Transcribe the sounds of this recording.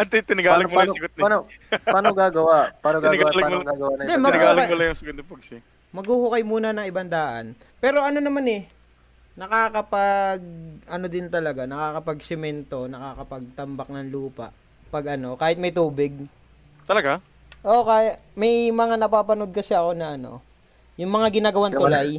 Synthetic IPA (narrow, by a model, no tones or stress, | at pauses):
ɐt̪ɪt̪ɪnɐɡaːlɐɡmʊsɪɡʊt̪̚nanpaːnoɡaːɡɐwapaːnoɡ̪ɪanɪɡɡaalɐɡmlɡaɡɐwanɐd̪ɛmɐɡ̪ɡaːlʊlɐjʊŋsɐɡʊd̪nɪpʊɡsɪ | mɐɡhuhʊkɐjmuːnɐnɐŋɪbɐnd̪aːʔɐ̰n | pɛːɾo̞ʔɐno̞nɐmanɛ | nɐkaːkɐpaɡ̚ʔɐno̞d̪ɪnt̪ɐlɐɡanɐkaːkɐpɐɡ̚sɪmɛnt̪o̞nɐkaːkɐpɐɡ̚t̪ɐmbɐk̚nɐŋluːpɐ̰ʔ | pɐɡʔɐno̞kaːhɪt̪mɐjt̪uːbɪɡ̚ | t̪ɐlɐɡa | ʔokaːjamɐjmɐŋanɐpaːpɐno̞d̪̚kɐsɛɐko̞nɐʔɐno̞̰ | jʊŋmɐŋaɡɪnaːɡɐwant̪ʊlaj